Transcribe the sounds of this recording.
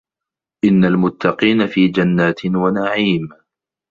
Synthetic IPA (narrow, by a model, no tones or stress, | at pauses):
ʔɪnːalmʊt̪ʰːɑqiːnafiːd͡ʒanːaːt̪ɪwanaʕiːm